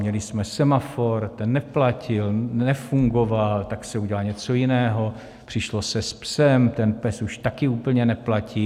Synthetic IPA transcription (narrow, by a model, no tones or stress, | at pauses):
ɲɛlɪsmɛsɛmafoɾt̪ɛnːɛplacɪlɛfuŋɡovalt̪aksɛuɟɛlalɲɛt͡so̞jɪnɛːɦo̞ | pr̝̥ɪʃlosɛspsɛmt̪ɛnpɛsuʃt̪akɪuːpl̩ɲɛnɛplaciː